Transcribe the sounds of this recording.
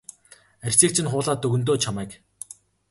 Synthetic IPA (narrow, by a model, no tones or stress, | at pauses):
ærʲt͡siːk̚t͡ɕʰɪ̆nχʊːɮaːt̪ːɵɣɵ̆nt̪̬oːt͡ɕʰamæːk